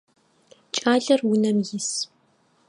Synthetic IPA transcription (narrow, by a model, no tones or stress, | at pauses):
t͡ʃʼaːɮɐrwʊnɐmjɪs